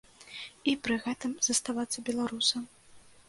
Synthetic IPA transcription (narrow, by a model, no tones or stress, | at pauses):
ipɾɨɣɛt̪ɨmzɐst̪avat̪sːɐbʲɛlˠaɾusɐm